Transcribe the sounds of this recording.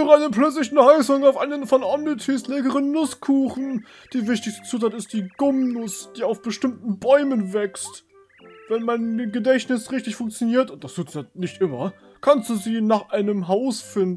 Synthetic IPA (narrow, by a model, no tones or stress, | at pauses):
ʊʁaɪnəplœt͡slɪçnhaɪsʊŋaʊfʔaɪnənfɔnʔɔmnitʰislɛːkəʁənːʊskʰuːχn̩ | d̥iːvɪçtɪçstə̥t͡suːtaːtɪst̚d̥iːɡ̥ʊmnʊsd̥iːaʊfb̥əʃtɪmtn̩bɔʏmənvɛkst | vɛnmaɪnɡədɛçtnɪsʁɪçtɪçfʊŋkt͡sjoniːɐtʊnt̚d̥astʰuːtsanɪçtʔɪmɐ | kʰanstd̥uːziːnaːχʔaɪnəmɦaʊsfɪndnn̩